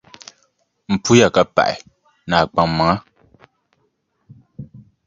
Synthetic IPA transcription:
m̩˨pu˦ja˨ka˨pa̰˨ʔɛ̰˨ | naː˨k͡pa˨ŋma˨a˦

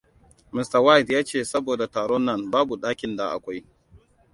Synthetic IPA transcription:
mɪ˨sta˨wa˦jtjaː˦t͡ʃeː˦˨sɐ˦boː˨da˨taː˨ɽɔ˦nːɐ˦˨nbaː˦bu˨ɗaː˦kʲɪ˨nda˨ʔa̰˨kʷa˦j

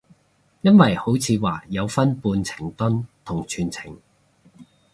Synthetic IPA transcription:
jɐ˥nwɐ˨jho˨˥wt͡sʰiː˨˧waː˨˩jɐ˨˧wfɐ˥npuː˧nt͡sʰɪ̥˨˩ŋt̪ʊ˥nt̪ʰʊ˨˩ŋt͡ʃʰyː˨˩nt͡sʰɪ˨˩ŋ

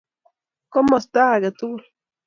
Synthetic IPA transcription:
ko˦ma˨st̪aː˦ɡat̪u

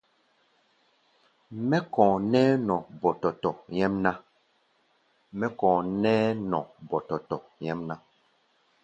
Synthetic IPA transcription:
mɛ˦kɔ̃ː˨nɛː˦nɔ̃˨bɔ˨tɔ˨tɔ˨jɛ˦mna˦ | mɛ˦kɔ̃ː˨nɛː˦nɔ̃˨bɔ˨tɔ˨tɔ˨jɛ˦mna˦

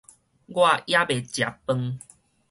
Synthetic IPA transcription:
ɡwa˥˧˨ja˦be˨t͡ɕja˨pːə˧ŋ

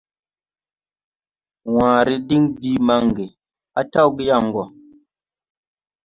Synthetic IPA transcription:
wãː˨ɾi˦di˦ŋbiː˦ma˨˦ŋɡi˨ | a˦ta˦wɡi˦ja˦˨ŋ˨ɡɔ˨

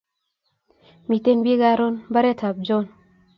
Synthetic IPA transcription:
mi˨te˦nbi˦ɡa˦ɾo˦nba˦ɾe˦tʰa˨b̚d͡ʒo˦n

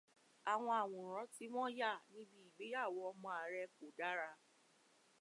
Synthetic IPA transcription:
a˨w̃ɔ̃˧a˨w̃ɔ̃˨ɾ̃ɔ̃˨˦ti˨˦w̃ɔ̃˦ja˦˨nĩ˦bi˦i˨ɡ͡be˨˦ja˦˨wɔ˧ɔ˧˦mɔ̃˧a˨ɾɛ˧k͡po˨da˦ɾa˧

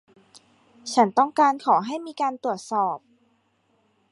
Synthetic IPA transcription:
t͡ɕʰa˦˥nt̪ɔ˥˩ŋkaː˧nkʰɔː˩˦ɦa˥˩jmiː˧kaː˧nt̪u˨˩ət̪̚sɔː˨˩p̚

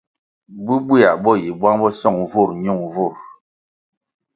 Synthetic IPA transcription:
bu˦bwi˦a˨bɔ˦ji˨bwa˦ŋbɔ˦sɔ˦˨ŋvo˦˨ɾɲu˦˨ŋvo˦˨ɾ

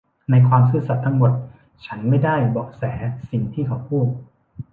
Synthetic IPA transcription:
na˧jkʰwaː˧msɯː˥˩sa˨˩t̪ʰːa˧ŋmo˨˩t̪̚ | t͡ɕʰa˦˥nma˥˩jda˥˩jbɔː˨˩k̚sɛː˩˦si˨˩ŋt̪ʰiː˥˩kʰa˦wpʰuː˥˩t̪̚

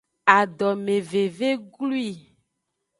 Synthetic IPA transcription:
a˨ɖɔ˨me˨ve˨ve˦ɡlu˦i˦˨

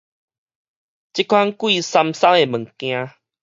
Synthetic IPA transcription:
t͡ɕi˦kʰwa˦nkwi˥˧˨sa˧msa˦ŋe˨mə̃˨˩ŋkj̃ã˧

